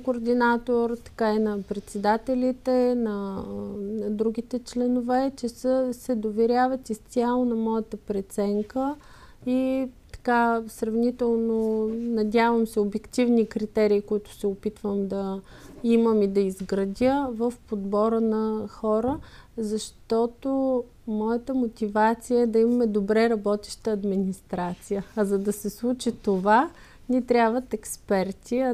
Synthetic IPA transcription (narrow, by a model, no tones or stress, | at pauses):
koːɾd̪inat̪oɾt̪ɐ̥kainɐpɾɛt̪sɛd̪at̪ɛlʲit̪ɛnɐ | nɐd̪ɾuɡʲit̪ɛt͡ʃlɛnovɛt͡ʃɛsəsɛd̪ovɛɾʲavət̪ist̪sʲialˠonɐmɔjət̪əpɾɛt̪sɛŋkə | it̪ɐ̥kasɾɐvnit̪ɛlˠnonɐd̪ʲavəmsɛobɛkt̪ivnikɾit̪ɛɾiːkoit̪ʊ̥sɛopit̪vəmd̪ɐ | iməmid̪ɐizɡɾɐd̪ʲəvəfpod̪bɔɾənɐxɔɾəzɐʃt̪ɔt̪o | mɔjət̪əmot̪ʲivat̪sijəɛd̪ɐimɐmɛd̪obɾɛɾɐbɔt̪ɛ̥ʃt̪əɐd̪minist̪ɾat̪sijəːzɐd̪ɐsɛslˠut͡ʃit̪ova | nit̪ɾʲabvət̪ɛkspɛɾt̪ʰiɐ